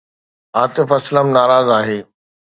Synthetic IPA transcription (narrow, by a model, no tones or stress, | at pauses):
aːt̪ɪfɐsləmnaːɾaːzaːɦeː